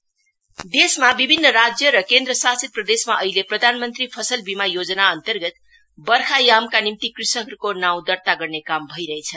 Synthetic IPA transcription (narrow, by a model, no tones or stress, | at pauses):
d̪esmabibʱinːʌrad͡zjʌɾʌkend̪rʌsasit̪̚prʌd̪esmaʔʌɦileprʌd̪ʱanmʌnt̪ripʰʌsʌlbimajod͡zʌnaʌnt̪ʌrɡʌt̪̚ | bʌrkʰajamkanimt̪ikrisʌkʌɾukonaw̃d̪ʌrt̪aɡʌrnekambʱʌiɾʌɦet͡sʰʌ